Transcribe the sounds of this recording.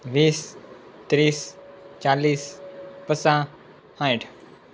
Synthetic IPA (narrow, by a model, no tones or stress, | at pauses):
ʋiːs | t̪ɾiːst͡ʃaːliːspəsã | hãjʈ